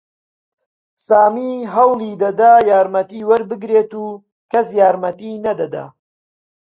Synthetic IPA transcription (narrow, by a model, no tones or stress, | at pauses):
saːmiːɦɐwlˠid̪ɐd̪aːjaːɾmɐt̪iːwɐɾbɨɡɾeːt̪uː | kɐsjaːɾmɐt̪inɐd̪ɐd̪a̰